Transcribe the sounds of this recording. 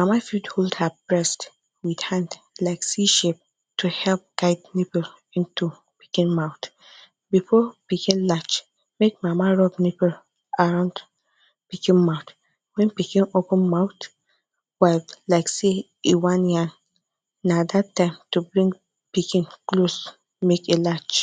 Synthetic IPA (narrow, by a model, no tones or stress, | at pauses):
mamafudholdhabɹɛst | widhãnd | laɪksiʃep̚ | tuhɛlp̚ɡ̥aɪdnipəl | ĩntu | pi̥kĩnmãʊ̃t | bifɔpikĩnlat͡ʃ | mek̚mamaɹɔbnipɛl | aɹãnd | pikĩnmãʊt | wɛ̃npikĩnopə̃nmãʊt | waɪvlaɪkse | iwãnjãnː | adatːãɪ̃mtubɹĩŋɡ | pikĩnklos | mekelat͡ʃ